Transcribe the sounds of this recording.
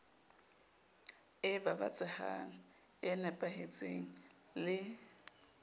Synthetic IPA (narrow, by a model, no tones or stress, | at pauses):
ɪbaba̰t͡sʼaha̰ŋ̩ | ɪnɛpʼahet͡sʼeŋ̩ | lɪ